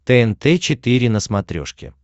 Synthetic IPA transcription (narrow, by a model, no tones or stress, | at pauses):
t̪ɛɛnt̪ɛt͡ɕɪt̪ɨɾʲɪnəsmɐt̪ɾʲo̰ʂkʲɪ̰